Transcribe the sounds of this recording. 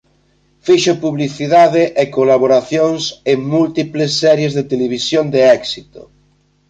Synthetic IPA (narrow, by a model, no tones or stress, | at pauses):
fiʃopuβliθiðaðeʔekolaβ̞oɾaθjoŋseŋmult̪iplesːɛɾjezðet̪eleβ̞isjond̪eɛksit̪o̰